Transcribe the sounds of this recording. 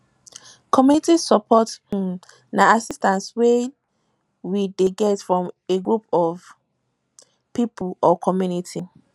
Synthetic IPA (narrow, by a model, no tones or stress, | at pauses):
kʰɔmjunitisɔpʰɔt | naasistãnswe | wideɡɛtfɹɔ̃meɡɹupɔv | pipʰlɔkʰɔmjunitʰi